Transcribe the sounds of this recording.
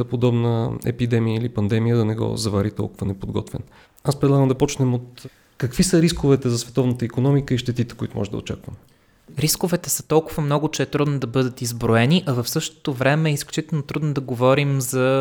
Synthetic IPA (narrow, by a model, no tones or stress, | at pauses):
pod̪ɔbnəɛ̰pid̪ɛmijəilipɐnd̪ɛmijəd̪ɐnɛɡɔ̰zɐvaɾit̪ɔ̰lˠkʊvənɛpod̪ɡɔ̰t̪vɛ̰n | aspɾɛd̪lˠaɡəmd̪ɐpɔt͡ʃnɛmot̪ | kɐkvisəɾiskovɛt̪ɛzɐsvɛt̪ɔvnət̪əikonɔmikəiʃt̪ɛt̪it̪ɛ̥koḭt̪ʊmɔ̰ʒɛd̪ə̰ot͡ʃa̰kvə̰m | ɾiskovɛt̪ɛsə̥t̪ɔlˠkʊvəmnɔɡʊt͡ʃɛːt̪ɾud̪nod̪ɐbɤd̪ət̪izbɾoɛniʔɐvɐfsɤʃt̪o̥t̪ovɾɛmɛːisklʲut͡ʃit̪ɛlˠnot̪ɾud̪nod̪ɐɡovɔɾimzɐ